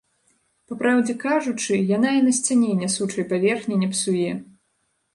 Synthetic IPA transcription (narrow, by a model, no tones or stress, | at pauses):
papɾawd͡zʲɛkaʐut͡ʂɨjanainɐsʲt͡sʲanʲɛnʲːɐsut͡ʂɐjpavʲɛrxnʲɛnʲɐpsujɛ